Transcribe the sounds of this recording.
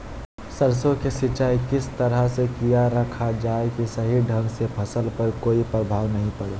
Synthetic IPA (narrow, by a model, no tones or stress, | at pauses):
səɾsõkesɪt͡ʃaːikɪst̪əɾəɦsekijaɾəkʰad͡ʒaːekisəɦiɖʱə̃ŋɡsepʰəsəlpəɾkoːipɾəbʱaːʋnɐɦĩpəɽeː